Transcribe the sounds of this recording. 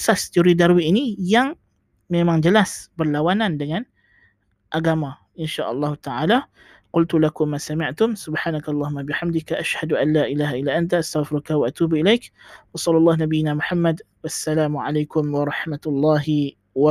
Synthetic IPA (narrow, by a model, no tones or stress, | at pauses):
sast̪ioɾidaɾwiʔːnijaŋ | memaŋd͡ʒəlasbərlawanandəŋan | ʔaɡama | ʔɪnʃaʔɑlˤːɑːhut̪aʕala | qʊlt̪ulakʊmːaːsamɪʕt̪ʊmsʊbħaːnakaɑlˤːɑːɦʊmːabɪħamd̪ɪkʔaʃhaduʔanlaːʔilaːɦaʔilːaːʔant̪aʔast̪aɣfɪɾʊkawaʔat̪uːbilajkwɑsˤɑlːʊlˤːɑːhnabijːɪnamʊħamːad | wasːalaːmuʕa̰lajkʊmwɑɾˤɑħmat̪ʊlˤːɑːɦi | wa